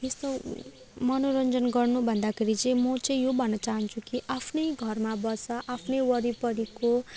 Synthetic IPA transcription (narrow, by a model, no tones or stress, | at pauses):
jest̪o | mʌnoɾʌnd͡zʌnɡʌrnubʱʌnd̪akʰeɾit͡sʌĩmʌt͡sʌ̃ĩjobʱʌnːʌt͡saɦʌnt͡sʰukiʔapʰnʌjɡʱʌrmabʌsʌʔapʰnʌjwʌɾipʌɾiko